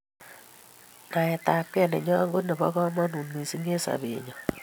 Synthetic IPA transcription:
na˨ɛ˨ta˨p̚kɛ˦nɛ̰˨ɲɔ˦˨ŋɡo˦nɛ˨bɔ̰˦kɔ˦mɔ˦nu˨nmi˨si˦ŋe˦sa̰˨bḛ˨ɲɔ˨

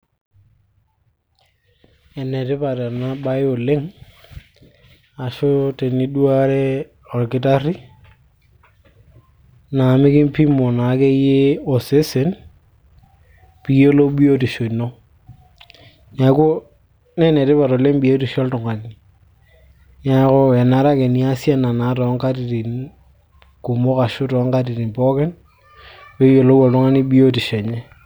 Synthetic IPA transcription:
ɛ˨nɛ˨tɪ˦pa˨ta˨na˦ba˦jo˨le˦ŋ | a˨ʃʊ˦te˨ni˦du˦a˦ɾɛ˦ | ɔ˨lkɪ˦ta˦ri˦ | na˨mɪ˦kɪ˦mpi˦mo˨na˨˦ke˦je˦o˨se˦se˨n | pi˨˦jo˦lo˦ɓi˦o˦ti˨ʃo˨no˦ | ja˨˦ko˦ | nɛ˦nɛ˨te˦pa˨ɾɔ˨le˦m˦bi˨o˦ti˨ʃɔ˦ltʊ˨ŋa˨i˨ | ɲa˦ko˦ɛ˨na˨˦ɾa˦kɛ˨ni˨˦a˦sja˦na˨na˨˦tɔ˨˦ŋka˦t̬i˨ɾi˨n | ku˨mʊ˦ka˨ʃʊ˦tɔ˨˦ŋka˦ti˨ɾi˨mpɔ˦kɛ˦n | pe˦jo˨lo˦wɔ˨ltʊ˦ŋa˦ni˦ɓi˦o˦ti˨ʃɛ˨ɲɛ˦

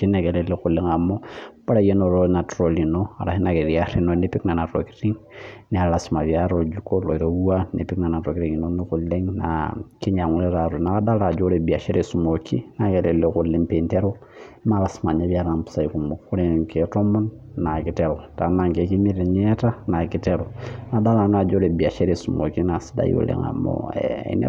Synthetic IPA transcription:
ki˦nɛ˨kɛ˨lɛle˦ku˨le˦ŋa˨mɔ˦b̥a˦ɾa˨je˦no˨ɾona˨tɾo˨li˨no˦a̰˨ɾa̰˨hi˦na˨ke˨ðia˦ɾi˦no˨ne˦pi˦kna˨na˨to̰˨ki̥ɾi˦ŋnɛ˦a˨lasma˨βja˦ɾo˨d͡ʒukɔ˦lɔ˨i˨ɾo˨u˦a˦nḛ˨pi˦kna˨na˨to˨ki˦ɾiŋi˨no˦ni˦ku˨le˦ŋna̰ki˦ɲa˨ŋu˦lɛɾaɾu˨na˦kːa˦da˦la˨d͡ʒu˦ɾe˨bi˨a˨ʃɛ˦ɾe˨su˨mo˨kḭ˦na˨ke˨ɾe˨leku˨lːe˦mpe˨nte˦ɾo | ma˦la˨sima˨ɲa˦βia˦ɾa˨mpu̥sa˦iku˨mo˨ku˦ɾe˨ŋkʰeto˦mɔ˦nː | a˨ki˨tɛ˦ɾo˨ta˨na˨ŋke˨ki˦mi˦ɾe˨ɲɛ˦ta˦na˨kitɛɾo˨na˨da˦la˨n˦a˨d͡ʒo˦ɾe˨bia˨ʃɛ˦ɾesu˨mo˨ki˦na˨si˦da̰jo̰˨lḛŋa̰˨mo̰ḛḛn̰

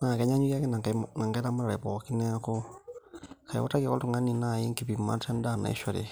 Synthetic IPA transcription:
na˨kɛ˨˦ɲa˦ɲu˦a˦kɛ˦na˨na˨ŋɡa˦ɾa˦ma˦ɾa˨ɾe˨pɔ˨ki˦nɛ˦ko˦ | kʰa˨jḭ˨ɔ̰˦ta˦ki˦˨kɔ˦tu˦˨ŋa˦ni˨na˦˨ji˦ŋki˨pi˨ma̰˦ta˦n˦da˦˨na̰˨ḭ˦ʃɔ˨ɾḛ˨

